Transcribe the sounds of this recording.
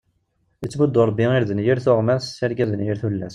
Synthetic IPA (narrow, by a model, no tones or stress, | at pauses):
ət͡sːmud̪ːoɾˤbːiiɾðənjəɾθʊʁmæsːæɾɡæðənjəɾθulːæs